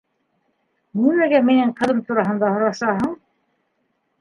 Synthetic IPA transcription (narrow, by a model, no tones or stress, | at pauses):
nimæɡæminɘɴqʰɤ̆ðɤmt̪ʰuɾɑɦɤ̆nd̪ɑhŏɾɑʃɑɦɤɴ